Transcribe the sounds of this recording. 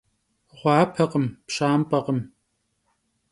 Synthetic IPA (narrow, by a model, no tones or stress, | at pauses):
ʁʷɑːpʰɐqʼəmpɕaːmpʼɐqəm